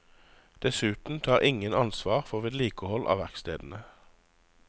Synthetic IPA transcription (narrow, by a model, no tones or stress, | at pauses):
d̪̥ɛsʉːt̪n̩t̪ʰɑːʁɪŋənɑnsʋɑːʁfɔʁʋeːd̪liːkəhɔlʔɑ̰ːʋæʁkst̪ḛːd̪n̩ə